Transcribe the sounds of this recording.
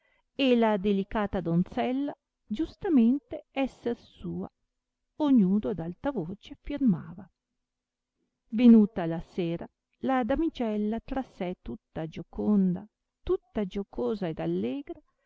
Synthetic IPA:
elad̪elikaːt̪ad̪ont̪sɛlːa | d͡ʒust̪ament̪eɛsːersuːa̰ | oɲuːd̪od̪alt̪avoːt͡ʃefirmaːva | venuːt̪alaseːɾa | lad̪amit͡ʃɛlːat̪ɾasɛt̪ut̪ːad͡ʒokond̪a̰ | t̪ut̪ːad͡ʒokoːzaed̪alːɛːɡɾa

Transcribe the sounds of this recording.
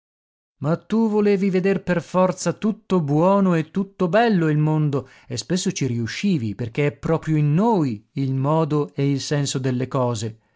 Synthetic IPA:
mat̪ːuvoleːvived̪erperfɔrt̪sat̪ut̪ːobwɔːnoet̪ːut̪ːobɛlːoilmond̪o | espesːot͡ʃiɾiuʃːiːviperk̟eɛpːɾɔːpɾjoinːoːjilmɔːd̪oeilsɛnsod̪elːekɔːze

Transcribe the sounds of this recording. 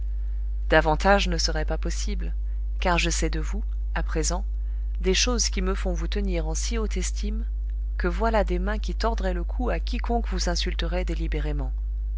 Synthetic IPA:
d̪avɑ̃t̪aʒnəsəʁɛpapɔsibl | kaʁʒəsɛd̪əvu | apχezɑ̃ | d̪eʃozkʲiməfɔ̃vut̪əniʁɑ̃siot̪ɛst̪ʰim | kəvwalad̪emɛ̃kʲit̪ɔʁd̪ʁɛləkʰuakʲikɔ̃kvuzɛ̃sylt̪əʁɛd̪elibeʁemɑ̃

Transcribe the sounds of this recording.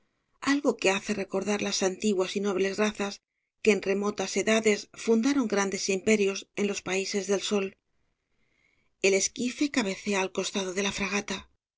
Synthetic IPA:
alɣo̞ke̞aθe̞re̞ko̞ɾðaɾlasant̪iɣwasino̞βle̞zraθas | ke̞ːnre̞mo̞t̪ase̞ðaðe̞sfund̪aɾo̞ŋɡɾand̪e̞simpe̞ɾjo̞se̞nlo̞spaise̞zðe̞lso̞l | e̞le̞skife̞kaβ̞e̞θe̞aːlko̞st̪að̞oð̞e̞lafɾaɣ̞at̪a

